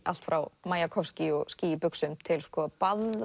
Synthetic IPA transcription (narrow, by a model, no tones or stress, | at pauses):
a̰l̥t̪fɾawmaːjakʰɔfscɪɔɣsciːjɪpʏksʏmt̪ʰɪlskɔpað